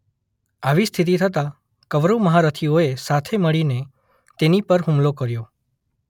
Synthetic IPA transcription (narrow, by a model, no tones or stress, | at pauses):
aʋist̪ʰit̪̬it̪ʰət̪ã | kəʋɾuməɦaɾət̪ʰioesat̪ʰeməɭine | t̪enipəɾɦũmlokəɾjo